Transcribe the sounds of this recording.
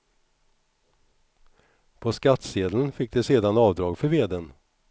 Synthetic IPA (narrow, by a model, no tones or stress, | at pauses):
pʰɔskat̪seːd̪lənfɪk̚ːd̪ɛseːd̪anɑːvd̪ɾɑːɡfœɾveːd̪en